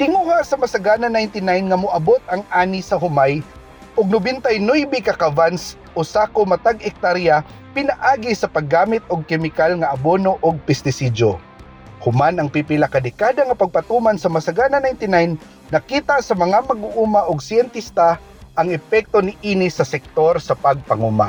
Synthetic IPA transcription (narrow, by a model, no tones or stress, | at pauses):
t̪ɪŋuhasɐmasaɡananajnt̪ɪnajnŋamʊʔabot̪ɐŋʔaːnisɐɦʊmaj | ʔʊɡ̚nʊbɪnt̪ajnʊjbɪkakavans | ʊsakomat̪aɡɛk̚t̪aɾja | pɪnaʔaːɡisɐpaɡːaːmɪt̪ʊɡ̚kɛmɪkalŋaʔabonoʔʊɡ̚pɛst̪ɪsid͡ʒo̰ | hʊmanɐŋpipɪlakad̪ɛkaːd̪aŋapaɡ̚pat̪umansɐmasaɡananajnt̪ɪnajnː | ɐkiːt̪aʔsɐmɐŋamaɡʊʔuːmaʔʊɡsɛnt̪ist̪a | ʔːŋɛpɛk̚t̪onɪʔiːnisɐsɛk̚t̪oɾsɐpaɡ̚paŋuːma̰